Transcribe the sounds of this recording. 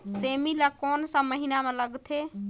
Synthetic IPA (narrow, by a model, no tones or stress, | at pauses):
seːmilakɔːnsãməɦinamẽləɡt̪ʰe